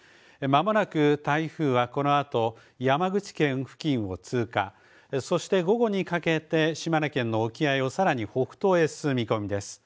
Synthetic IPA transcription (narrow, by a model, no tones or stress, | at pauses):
mamo̞nakɯ̟t̪aiɸɯ̟ːβako̞no̞at̪o̞ | jamaɡɯ̟t͡ɕi̥kẽ̞ɰ̃ɸɯ̟̥kʲĩɰ̃o̞t͡sɨːka̰ | so̞ɕi̥t̪e̞ɡo̞ɡo̞ɲ̟ikake̞t̪e̞ɕimaɾakẽ̞nːo̞okʲiaio̞saɾaɲ̟iho̞ɸɯ̟̥t̪o̞ːe̞sɨmʲiko̞mʲid̪e̞sɨ̥